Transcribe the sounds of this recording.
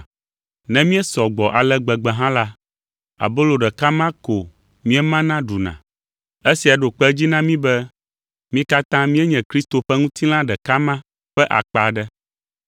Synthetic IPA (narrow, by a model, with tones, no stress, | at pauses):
nɛ̃˦mĩ˦ɛ˦sɔ˨ɡ͡bɔ˨ʔa˨lɛ˦ɡ͡bɛ˨ɡ͡bɛ˨ɦã˦la˦ | a̰˨bo˦lo˨ɖɛ˨ka˦mã˦ko˨ | mĩ˦ɛ˦mã˦nã˦ɖu˨nã̰˨ | e˦si˨a˨ɖo˨k͡pɛ˦d͡ʑi˦nã˦mĩ˦bɛ˦ | mĩ˦ka˦t̪ã˦mĩ˦ɛ˦ɲɛ̃˨kɾi˦st̪o˨ɸɛ˦ŋũ˦t̪ʰi˦l̃ã˦ɖɛ˨ka˦mã˦ | ɸɛ˦ʔa̰˨k͡pa˨ɖɛ˦